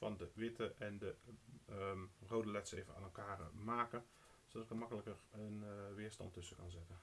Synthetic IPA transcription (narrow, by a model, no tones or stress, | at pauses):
fɑndəʋɪtəʔɛndə | rowdəlɛtsejvəna̰ːnɛlˠkaːrmaːkən | sodɑtɪkəmɑkələkərənʋɪːɹstɑ̰ntɵsəkɑnzɪtən